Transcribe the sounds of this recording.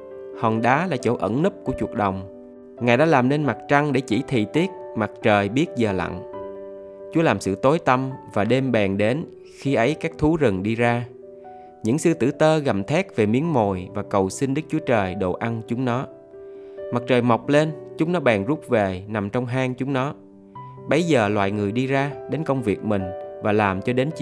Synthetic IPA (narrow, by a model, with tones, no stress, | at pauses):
hɔ˨˩nɗaː˨˦laː˨˩t͡ɕo̰˧˩ʔə̰˧˩nnɨ˦˥p̚ku˧˩t͡ɕu˨˩ək̚ɗə˨˩wŋ͡m | ŋaː˨˩jɗa̰ː˧˥laː˨˩mne˧nma˨˩k̚t͡ɕa˧ŋɗe˧˩t͡ɕḭ˧˩t̪ʰḭ˨˩t̪i˦˥ət̚ma˨˩k̚t͡ɕəː˨˩jɓi˦˥ət̚zəː˨˩la̰˧˨ŋ | t͡ɕu˨˦əlaː˨˩msɨ̰˧˨t̪o˨˦jt̪ə˧mvaː˨˩ɗe˧mɓɛː˨˩ŋɗe˨˦n | xi˧ʔə˨˦jkaː˦˥k̚t̪ʰu˨˦zɨ˨˩ŋɗi˧zaː˧ | ɲɨ̰˧˥ŋsɨ˧t̪ɨ̰˧˩t̪əː˧ɣa˨˩mt̪ʰɛ˦˥k̚ve˨˩mi˨˦ənmo˨˩jvaː˨˩kə˨˩wsï˧nɗɨ˦˥k̚t͡ɕu˨˦ət͡ɕəː˨˩jɗo̰˧˨ʔa˧nt͡ɕʊ˨˦ŋ͡mnɔ˨˦ | ma˨˩k̚t͡ɕəː˨˩jma˨˩wk͡p̚le˧nt͡ɕʊ˨˦ŋ͡mnɔ˨˦ɓaː˨˩ŋzu˦˥p̚ve˨˩na˨˩mt͡ɕɔ˧wŋ͡mɦaː˧ŋt͡ɕʊ˨˦ŋ͡mnɔ˨˦ | ɓə˨˦jzəː˨˩lwa̰ː˧˨jŋɨ˨˩əjɗi˧zaː˧ɗe˨˦nkə˧wŋ͡mvi˨˩ək̚mï˨˩ŋ̟vaː˨˩laː˨˩mt͡ɕɔ˧ɗe˨˦nt͡ɕḭ˧˨